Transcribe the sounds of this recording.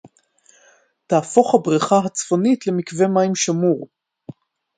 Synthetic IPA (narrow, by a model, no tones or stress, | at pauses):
taːfo̞χhabʁiχaɦat͡sfo̞nitle̞mikve̞maimʃamuʁ